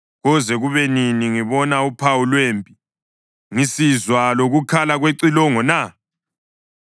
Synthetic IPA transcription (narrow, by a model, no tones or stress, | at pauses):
ɣɔzɛɣuβɛniniŋiβɔnaupʰawulweːmpʼi | ŋisizwaloɣukʰalaɣweǀilɔŋɔna